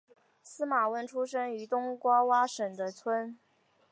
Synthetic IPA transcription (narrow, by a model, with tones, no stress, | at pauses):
sɹ̩˥ma˨˩wə˥˩nʈ͡ʂʰu˥ʂɤ˥ŋy˧˥t̪ʊ˥ŋkwɑ˥wa˥ʂə˨˩ŋd̪ə˦t͡sʰwə˥n